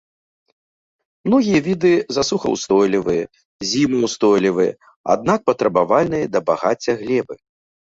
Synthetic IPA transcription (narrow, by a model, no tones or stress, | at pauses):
mnɔɣʲijɐvʲid̪ɨzasuxɐ̰wst̪ɔjlʲivɨjɐ | zʲimɨwst̪ɔjlʲivɨjɐ̰ | a̰d̪nak̚pɐt̪ɾɐbavalʲnɨjɐd̪ɐbaɣat͡sʲːɐɣlʲɛbɨ